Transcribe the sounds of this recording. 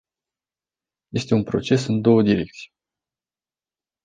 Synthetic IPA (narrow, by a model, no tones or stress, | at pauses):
je̞st̪e̞unpɾo̞t͡ʃe̞sɨnd̪o̞wəd̪iɾe̞k̚t̪sʲi̥j